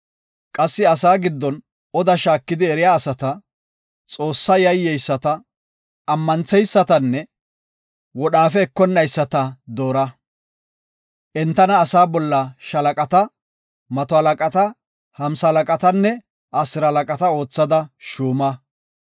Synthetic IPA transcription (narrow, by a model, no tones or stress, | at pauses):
kʼɐsːɪɐsaːɡɪd̪ːɔn | ɔd̪ɐʃaːkːɪd̪ɪɛɾɪjaːsɐt̪ɐ | t͡sʼo̞ːsːɐjɐjːɛjsːɐt̪ɐ | ɐmːɐnt͡sɛjsːɐt̪ɐnːɛ | wɔɗaːfɛːkːɔnːɐjsːɐt̪ɐd̪o̞ːɾɐ | ʔɛnt̪ːɐnɐːsaːbɔlːɐʃɐlɐkʼɐt̪ɐ | mɐt̪ɔhɐlɐkʼɐt̪ɐ | hɐmsɐɐlɐkʼɐt̪ɐnːɛ | ʔasɪɾɐɐlɐkʼɐt̪ɐo̞ːt͡sːɐd̪ɐʃuːmɐ